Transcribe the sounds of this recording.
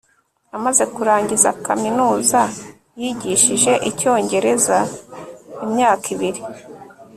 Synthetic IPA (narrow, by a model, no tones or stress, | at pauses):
amaze̞kuɾaːɲɟiza̰kaminuːza | jiɟiʃiʒe̞ʔico̞ːɲɟe̞ɾe̞za | imɲaːkiβiɾi